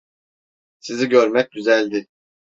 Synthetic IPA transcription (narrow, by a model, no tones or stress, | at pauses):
siziɟø̞ɾmɛc̚ɟyzælʲd̪ɪ